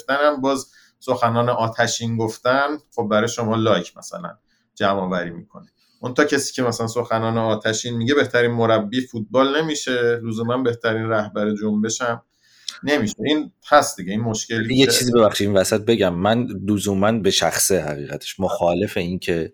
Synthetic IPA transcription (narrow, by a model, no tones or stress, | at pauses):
ft̪ænæmbɒːz | so̞xænɒːneʔɒːt̪ʰæʃiːnɡoft̪ænχob̚bæɾɒːjeʃo̞mɒːlɒjcʰmæsæ̰læ̰n | d͡ʒæmɒːvæɾiːmḭːkʰo̞̰ne | mo̞nt̪ɒːcʰesiːcʰe̞mæsælænso̞xænɒːneɒːt̪ʰæʃiːnmiɟe̞be̞ht̪ʰæɾiːnmo̞ɾæbːiːfut̪̚bɒːlne̞miːʃe̞luzuːmænbe̞ht̪ʰæɾiːnræhbæɾed͡ʒombe̞ʃæm | ne̞miːʃeinhæst̪d̪iɟe̞iːnmo̞ʃceljet͡ʃiːzibeβæχʃid̪invæsæt̪̚be̞ɟæmːænluzuːmænbe̞ʃæ̰xsehæ̰ɣiːɣæt̪ʰe̥ʃmoxɒːle̞fe̞incʰe̞